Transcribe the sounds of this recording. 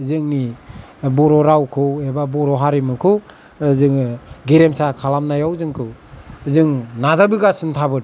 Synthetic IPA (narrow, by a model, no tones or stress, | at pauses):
zɯŋni | bɔɾɔɾawkʰɯwebabɔɾɔɦaɾimɯkʰɯw | zɯŋɡeɾemsakʰalamnajawzɯŋkʰɯwzɯŋnazabɯɡasɯntʰabɯd